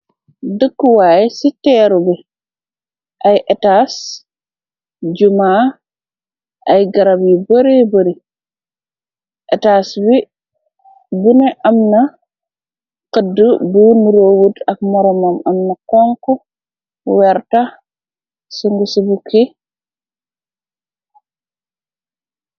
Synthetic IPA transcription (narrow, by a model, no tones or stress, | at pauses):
dəkːwaːjɛsitɛːɾubi | ʔajʔɛtaːs | d͡ʒumaː | ʔajɡɐɾabjibɐɾibɐɾi | ʔɛtaːsbi | bunɛʔɐmnɐ | qədubuːnuɾoːwutɐk̚mɔɾɔmɐmɐmnɐkɔŋkɔ | wɛɾta | siŋɡusibukʰi